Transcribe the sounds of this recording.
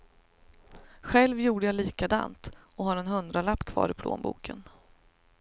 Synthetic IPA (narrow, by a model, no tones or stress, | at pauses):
ɧɛlvjuːɖəjaliːkad̪a̰ːnt̪ɔɦaɾɛnhɵnd̪ɾalapːkʰv̥ɑ̰ːɾɪpʰlo̰ːnbṵːkʰən